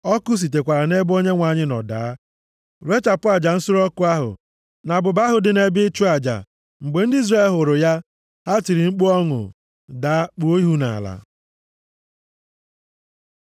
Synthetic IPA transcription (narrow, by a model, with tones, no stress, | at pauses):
ɔ˦kʊ˦s̬i˨t̬e˨kʷa˨ɾa˨ne˦bo˦ɲe˦ŋʷa˨ɲɪ˦nɔ̰˨daː˨˦ | ɾe˦t͡ʃa˨pʊ˦a˨d͡ʒa˨n̩˦sʊ˦ɾɔ˦kʊ˦a˦ɦʊ̰˨ | na˨bʊ˨ba˦ɦʊ˨dɪ˨ne˨bɪ˦t͡ʃu˦a˨d͡ʒa̰˨ | ŋ͡m̩˨ɡ͡be˨n̩˦dɪ˦i˦zɾa˦e˦˨lɦʊ˨ɾʊ˨ja˦ | ha˦t͡ʃi˨ɾi˨ŋ͡m̩˦k͡pu˦ɔ˦ŋʊ̰˨ | da˨˦a˦k͡po˦i˦ɦu˦na̰˨la̰˨